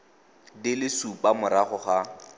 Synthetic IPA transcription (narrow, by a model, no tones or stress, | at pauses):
dɪlɪsupʼamʊɾaχʊχa